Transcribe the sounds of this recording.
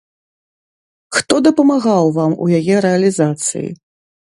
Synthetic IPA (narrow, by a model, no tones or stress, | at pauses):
xt̪ɔd̪ɐpɐmaɣawvamṵjajɛɾɛɐlʲizat̪sɨ̰jḭ